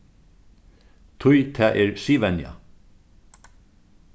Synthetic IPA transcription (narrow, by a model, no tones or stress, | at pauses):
t̪ʰʊjt̪ʰɛːʔɛɹsiːʋɛnja̰